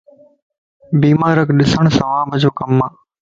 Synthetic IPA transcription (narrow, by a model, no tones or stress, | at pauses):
biːmaːɾəkɗɪsəɳ̃sə̃ʋãːbʱəd͡ʒʱoːkəmːãː